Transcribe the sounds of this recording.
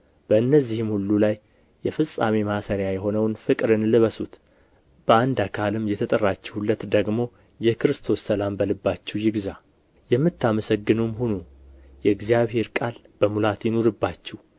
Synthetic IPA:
b̥əɨnːəzːihɨmhulːulajː | ɛfɨsʼamemasəɾjajɛɦo̞nəwnfɨkʼɾɨnlɨβəsut̪ | b̥əand̪akʰalɨmjɛt̪ʰət̪ʼərːat͡ʃːɛhulːət̪d̪əɡmo̞ | jɛkɨɾɨst̪ʰo̞sːəlambəlɨbːat͡ʃːɛwjɪɡza | jɛmːɨt̪ːaməsəɡːɨnumhunu | jɛɨɡzijaβhe̞ɾkʼal | b̥əmulat̪jɪno̞ɾɨbːat͡ʃːɛw

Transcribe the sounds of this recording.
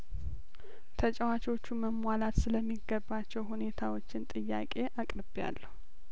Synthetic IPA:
t̪ʰət͡ʃʼɛwat͡ʃwot͡ʃːuməmwalat̪sɨləmːiɡːəbːat͡ʃːɛwɦune̞t̪ʰawo̞t͡ʃːɪnt̪ʼɨjːa̰kʼe̞ʔakʼɾɨbja̰lːəhu

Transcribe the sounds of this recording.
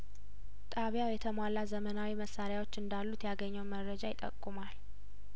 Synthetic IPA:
t̪ʼaβjawjɛt̪ʰəmwalːazəmənawiməsːaɾjawo̞t͡ʃːɨnd̪alːut̪jaɡəɲːəwməɾːəd͡ʒajɪt̪ʼːə̰kʼːumal

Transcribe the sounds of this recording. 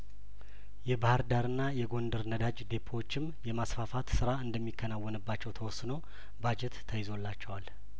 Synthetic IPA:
jɛbahɨɾd̪aɾɨnːajɛɡo̞nd̪əɾnəd̪ad͡ʒd̪e̞pʰːot͡ʃːɪmjɛmasfafat̪sɨɾaɨnd̪əmːikʰːənawːɔnɨbːat͡ʃːɛwt̪ʰəwɔsno | bad͡ʒɛt̪ːʰəjɪzo̞lːat͡ʃːɛwal

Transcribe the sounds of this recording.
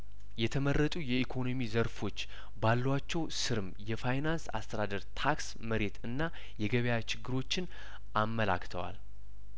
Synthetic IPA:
jɛt̪ʰəmərːət̪ʼujɛikʰo̞nomizəɾfo̞t͡ʃː | balːwat͡ʃːɛwsɨɾɨmjɛfajnansa̰st̪ʰəd̪ad̪əɾt̪ʰaks | məɾe̞t̪ɨnːa | jɛɡəβjat͡ʃʰɪɡːɨɾo̞t͡ʃːɪn | ʔamːəla̰kt̪ʰə̰wa̰l

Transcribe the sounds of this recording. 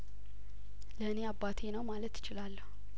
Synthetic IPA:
ləɨneabːat̪ʰenəwmalət̪jɪ̥t͡ʃɪlalːəhu

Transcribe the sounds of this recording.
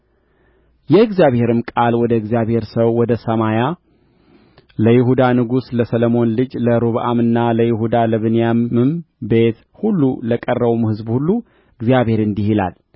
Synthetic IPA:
jɛɨɡzjaβhe̞ɾɨmkʼalwɔd̪əɨɡzjaβhe̞ɾsəwːɔd̪əsəmaja | ləjɪɦud̪anɨɡusləsələmo̞nlɨd͡ʒləɾuβʔamɨnːaləjɪhud̪aləβɨnjamɨmbe̞t̪ | hulːuləkʼərːəβumhɨzbhulːu | ɨɡzijaβhe̞ɾɨnd̪ihila̰l

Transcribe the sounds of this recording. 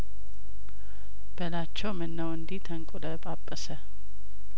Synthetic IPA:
b̥əlat͡ʃːɛwmɨnːəwɨnd̪iht̪ʰəŋkʼuləpʼapʼːəsə

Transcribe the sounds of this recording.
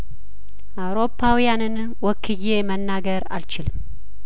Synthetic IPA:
ʔawɾo̞pʰːawijanɨn | wɔkʰːɨje̞mənːaɡəɾa̰lt͡ʃɪlɨm

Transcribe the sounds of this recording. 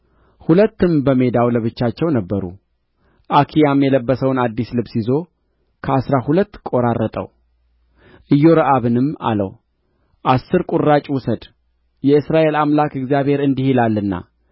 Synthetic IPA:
hulət̪ːɨmbəme̞d̪awləβɨt͡ʃːat͡ʃːɛwnəbːəɾṵ | ʔakʰijamjɛləbːəsəwnad̪ːislɨbsizo̞ | kʰəasɾahulət̪ːkʼo̞ɾarːət̪ʼə̰w | ʔɨjːo̞ɾəʔaβɨnɨmːa̰lə̰w | ʔasːɨɾkʼurːat͡ʃʼwʊsəd̪ | jɛɨsɾaʔe̞lamlakɨɡzijaβhe̞ɾɨnd̪ihilalːɨnːa̰

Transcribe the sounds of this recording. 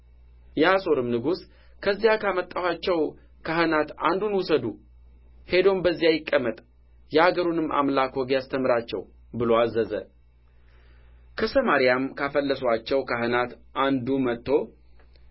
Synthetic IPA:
jɛaso̞ɾɨmnɨɡus | kʰəzːijakʰamət̪ʼːawat͡ʃːɛw | kʰahɨnat̪a̰nd̪unwʊsəd̪u | he̞d̪o̞mbəzːijajɪkʼːəmːət̪ʼ | jɛaɡəɾunɨmːʔa̰mlakwɔɡjast̪ʰəmɨɾat͡ʃːɛ̰w | bɨlo̞azːəzə̰ | kʰəsəmaɾijamkʰafəlːəsat͡ʃːɛwkʰaɦɨnat̪ʔand̪umət̪ʰːo̞

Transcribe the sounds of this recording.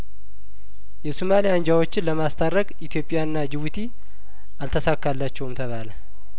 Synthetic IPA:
jɛsumalijand͡ʒawo̞t͡ʃːɪnləmast̪ʰaɾəkʼit̪ʰjo̞pʼːɪjaɨnːad͡ʒɪβut̪ʰi | ʔalt̪ʰəsakːalːat͡ʃːɛwmt̪ʰəβalə

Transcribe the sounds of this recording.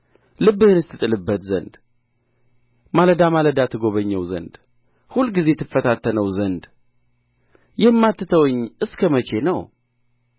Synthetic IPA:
lɨbːɨhɨnɨst̪ʰɨt̪ʼɨlɨbːət̪zə̰nd̪ | maləd̪amaləd̪at̪ʰɨɡo̞βəɲːɛwzə̰nd̪ | hulːɡize̞t̪ʰɨfːət̪ʰat̪ʰːənəwzənd̪ | jɛmːat̪ːɨt̪ʰəwɨɲːʔɨskʰəmət͡ʃe̞nəw

